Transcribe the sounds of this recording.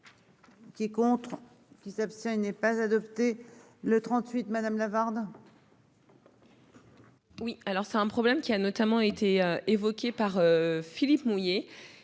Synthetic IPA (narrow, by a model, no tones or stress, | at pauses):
kʲiɛkɔ̃t̪χ | kʲisapst̪jɛ̃inɛpazad̪ɔpt̪e | lət̪χɑ̃t̪ɥit̪mad̪amlavaʁd̪ | wialɔʁsɛt̪ɛ̃pχɔblɛmkʲianɔt̪amɑ̃et̪ʰeøevɔkʲepaʁøfilipmuje